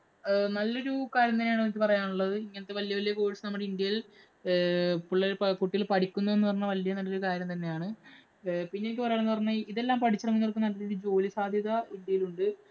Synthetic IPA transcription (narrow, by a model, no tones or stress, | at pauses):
nɐlːo̞ɾukaːɾjɐmt̪ɐnːeaːɳnːikʲːɨpɐrɐjaːɳuɭːɐðɨiŋːɐnet̪ːeʋɐlijɐʋɐlijɐko̞ːɻiʈsɨnɐmuɽeind̪jɐjil | puɭːɐpkuʈːilpɐʈikʲːunːɐenːɨpɐrɐɲːɐʋɐlijɐnɐlːoɾukaːɾjɐmt̪ɐnːe̞jaːɳɨ | pinːenikʲːɨpɐrɐjaːɳenːɨpɐrɐɲːɐiðe̞lːaːmpɐʈʰit͡ɕːirɐŋːunːirk̬ːunːɐliiɾud͡ʑo̞ːlisaːd̪ʱjɐðɐind̪jɐjiluɳɖɨ